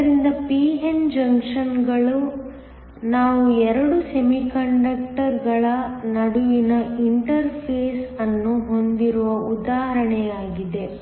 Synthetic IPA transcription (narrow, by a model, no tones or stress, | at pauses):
ɐɾind̪ɐpiːɦend͡ʒɐŋkʂɐnɡɐɭu | naːʋuɛɾɐɽusemikɐɳɖɐkʈɐɾɡɐɭɐnɐɽuʋinɐiɳʈɐɾpʰeːsɐnːuɦo̞nd̪iɾuʋɐʔud̪aːɦɐɾɐɳɛjaːɡid̪e